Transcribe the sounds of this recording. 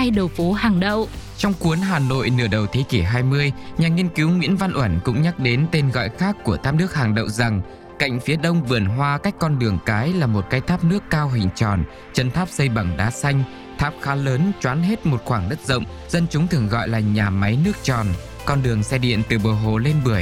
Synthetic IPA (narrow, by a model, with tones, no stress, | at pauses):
aː˧jɗə˨˩wfo˨˦ha˨˩ŋɗə˧˨wt͡ɕɔ˧wŋ͡mku˨˦ənɦaː˨˩no̰˧˨jnɨ˧˩əɗə˨˩wt̪ʰe˨˦ki˧˩ɦaː˧jmɨ˧əjɲaː˨˩ŋi˧ənki˨˦wŋwḭ˧˥ənva˧nʔwə˧˩nkʊ̰˧˥ŋ͡mɲa˦˥k̚ɗe˨˦nt̪e˧nɣɔ̰˧˨jxaː˦˥kːu˧˩ət̪ʰaː˦˥p̚nɨ˦˥ək̚ha˨˩ŋɗə̰˧˨wŋ͡mza˨˩ŋ | ka̰˧˨jŋ̟fi˨˦əɗə˧wŋ͡mvɨ˨˩ənɦwaː˧ka˦˥jk̟̚ʲkːɔ˧nɗɨ˨˩əŋkaː˨˦jlaː˨˩mo˨˩t̚kaː˨˧jt̪ʰaː˦˥p̚nɨ˦˥əkːaː˧wɦï˨˧˨ŋ̟t͡ɕɔ˨˩n | t͡ɕə˨˧nt̪ʰaː˦˥p̚sə˧jɓa˧˩ŋɗaː˨˦sa˧jŋ̟ | t̪ʰaː˦˥p̚xaː˨˦ləː˨˦nt͡ɕwaː˨˦nɦe˦˥t̚mo˨˩t̚xwaː˧˩ŋɗə˦˥t̚zə̰˧˨wŋ͡m | zə˧nt͡ɕʊ˨˦ŋ͡mt̪ʰɨ˨˩əŋɣɔ̰˧˨jlaː˨˩ɲaː˨˩ma˨˦jnɨ˦˥ək̚t͡ɕɔ˨˩n | kɔ˧nɗɨ˨˩əŋsɛ˧ɗḭ˧˨ənt̪ɨ˨˩ɓə˨˩ɦo˨˩le˧nɓɨ˧˩əj